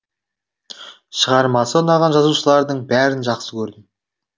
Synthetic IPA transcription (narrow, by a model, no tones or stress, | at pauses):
ʃəʁɑɾmɑsəʊnɑʁɑnʒɑzuʃəlˠɑɾd̪əɴbæɾɪnʒɑqsəkʲʰɵɾd̪ɪm